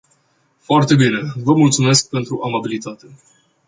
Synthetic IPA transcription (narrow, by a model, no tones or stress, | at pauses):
foart̪e̞bine̞vəmult̪sume̞sk̚pe̞nt̪ɾuʔamabilit̪at̪e̞